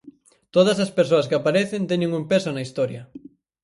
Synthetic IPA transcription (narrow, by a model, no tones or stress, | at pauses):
t̪oð̞ɐsɐspeɾsoɐskɪapaɾeθent̪ɛɲẽŋumpesonɐist̪ɔɾjɐ